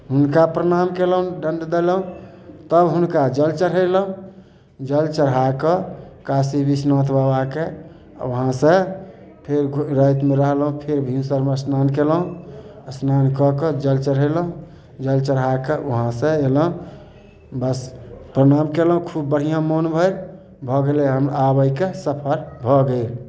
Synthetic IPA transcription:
ɦunkapɾəñamkeləũɖəɳɖd̪elɦũ | t̪əbɦunkad͡ʒəlt͡ʃəɾ̤ɦələũ | d͡ʒəlt͡ʃəɾɦakəkasibisnãt̪ʰbabakḛ | ʋəɦãsə̃ | pʰeɾɾəjt̪meɾəɦlɦũpʰeɾbʱĩsəɾmeəsnankelɦũəsnankɔkəd͡ʒəlt͡ʃəɾɦələũ | d͡ʒəlt͡ʃəɾɦakeɦãsə̃eləɦũ | bəspɾənamkeləɦũkʰubːəɽ̤ijãmonbʱəjl | bʱɔɡeleɦəmabəjkesəpʰəɾbʱɔɡəɪl

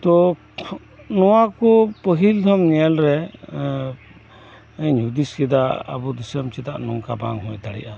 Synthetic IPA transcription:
t̪ɔ | nɔwakɔpəɦild̪ʱɔmnɛɛlɾɛ | ɛɲud̪iskɛd̪aʔa̰bud̪isəmt͡ʃɛt̪aʔnɔŋkaba̰ŋɦɔjd̪aɽɛ̰ʔa

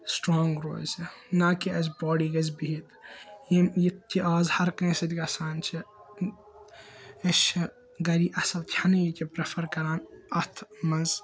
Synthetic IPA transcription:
sʈɾɔːŋɡɾo̰ːlʲsɐnaːkiʔɐzbɔːɖiːɡɐzbiɦit̪jimjit̪ʰːiʔaːzhɐɾknẽsɐt̪ʲɡɐsaːnt͡ʃʰi | ɐʃɐ | ɡɐɾiːʔɐsɐlt̪ʲʰanɐjikʲipɾefʰɐɾkɐɾaːnɐt̪ʰmɐnz

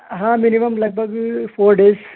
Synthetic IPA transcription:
ɦãminimɐmlɐɡ̚bʱɐɡfʰoːɾɖeːz

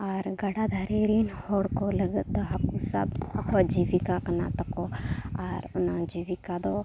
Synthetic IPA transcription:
aɾɡɐɽad̪ʱaɾeɾinhoɽkolɐɡd̪oɦakusa̰bɐkad͡ʒiʋikakɐna̰t̪ɐkoaɾʊnãd͡ʒiʋikad̪o

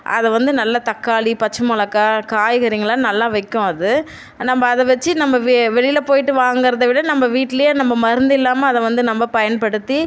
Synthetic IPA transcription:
ʔɐ̰ðɛʋɐnd̪ɯnɐlːɐt̪ɐkːaːɭipɐt͡ʃːɯmʊɭɐkːɐkaːjɣɐɾɪŋɡɐɭãːnɐlːãːʋɐɪkːʊ̃ɐðɯ | nɐmbɐːðɛʋɛt͡ʃːɯnɐmːbɐʋʋɛɭɪjlɐpoːjɪʈːɯʋaːŋɡɯɾɐðɐʋɪɽɐnɐmbɐʋiːʈːɪlɐjɐnɐmbɐmɐɾɯnd̪ɪlːaːmɐːðɛʋɐnd̪ɯnɐmbɐpɐjɐnpɐɽɯt̪ːi

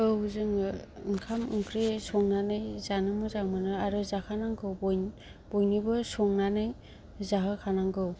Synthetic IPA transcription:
ɯɦuzɯŋɯŋkʰamɯŋkɾisɔŋnanɯjzanɯmɯzaŋmɯnɯaɾɯzakʰanaŋɡɯwb | b̥ɔjnibɯsɔŋnanɯj | zaɦɯkʰanaŋɡɯw

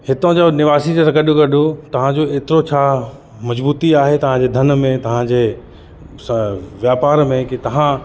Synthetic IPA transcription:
hɪt̪õd͡ʑonɪʋaːsid͡ʑesɐ̃kɐɗokɐɗʱot̪ɐʋ̤ãd͡ʑoeːt̪ɪɾot͡ɕʰaː | mɐd͡ʑbuːt̪iaːɦet̪ɐʋ̤ãd͡ʑeːd̪ʱɐn̆mẽt̪ɐʋ̤ãd͡ʑeː | ʋjaːpaːɾmẽkit̪ɐʋ̤ã

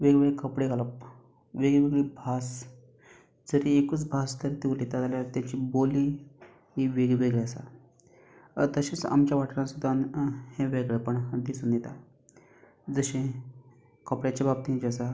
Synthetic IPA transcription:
ʋeɡʋeɭekəpɽeɡʱaləp | ʋeɡɭeʋeɡɭebʱas | d͡zəɾiekuːt͡sbʱast̪əɾt̪iʋlet̪at̪aljaɾt̪jat͡ɕiːboli | ɦiʋeɡɭeʋeɡɭeəsa̰ | t̪əɕet͡sa̰mt͡ɕjaʋaʈɾãsud̪ʱːanheʋeɡɭepəɳd̪isuːnjet̪a | d͡zəɕẽ | kəpɽjat͡ɕabab̚t̪ind͡ʑəsa

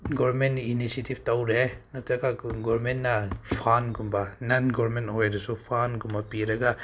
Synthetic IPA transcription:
ɡɔɾmentinisetʰibtawɾenatakaɡɔɾɾmentnapʰanɡumbananɡɔɾɾmenthɔjɾesupʰanɡumbapiɾaɡa

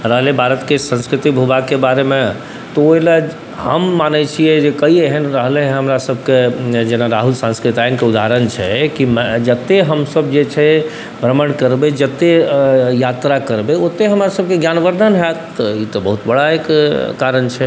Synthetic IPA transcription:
ɾəɦlebʱaɾət̪kesə̃nskɾit̪ibʱubakebaɾemẽ | t̪ɔola | ɦə̰mːanɛt͡ʃʰijɛd͡ʒekəieɦənɾəɦleɦəmɾasəbʱked͡ʒenaɾaɦulsãnskɾit̪ajənkeud̪ʱaɾənt͡ʃʰɛkimd͡ʒət̪ːeɦəmsəbd͡ʒet͡ʃʰɛ | bɾəməɽkəɾbed͡ʒət̪ːejat̪ɾakəɾbeot̪ːeɦəmɾasəb̚keɡjanʋəɾd̪ʱənɦɛt̪ɔit̪ɔbəɦut̪bəɽaekkaɾənt͡ʃʰɛ

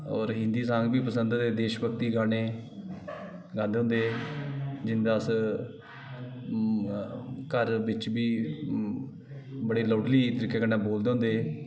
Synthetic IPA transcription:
ɔːɾɦɪ̃nd̪iːsãːŋɡbiːpəsənd̪d̪eːd̪eːʃbək̚t̪iːɡaːɽeː | ɡãːnd̪eːʊ̃nd̪eː | d͡ʒɪnd̪aːs | kəɾʋɪt͡ʃbiː | bəɽeːləːʈliːt̪əɾiːkːeːkənãːboːld̪eːɦʊ̃nd̪eː

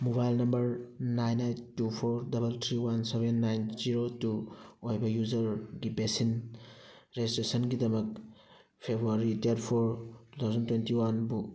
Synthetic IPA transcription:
mobajlnɐmbɐɾnajnajntupʰoɾdɐbɐltʰɾiwansebenːajnziɾotuojbɐjuzɐɾɡibesin | ɾestesɐnɡidɐmɐk̚ | pʰebɾuaɾiteɾtpʰoɾtut̪ʰawzɐntwentiwanbu

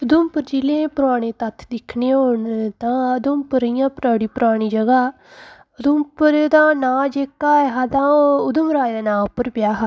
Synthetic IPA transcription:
ʊd̪ʊmpəɾd͡ʒilẽːpʊɾaːɽ̃ẽːt̪ət̪ʰːd̪ɪkʰneːɦoɳt̪ãːəd̪ʊmpəɾijãːpɾaːɽiːpʊɾaːɽ̃iːd͡ʒəɡaː | ʊd̪ʊmpəɾd̪ãːnãːd͡ʒeːkaːɦad̪ãːʊd̪ʊmɾaːd̪ãːnãːpəɾpɪjaːɦa

